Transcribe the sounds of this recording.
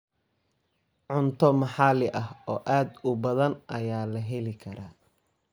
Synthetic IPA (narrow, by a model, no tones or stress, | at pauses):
ʕʊnt̪ʰɔmɑħɑlɪʔɐhɔːʔaːd̪ʊbɐðɐnʔɐjaːlɐɦɛlɪkʰɐɾaː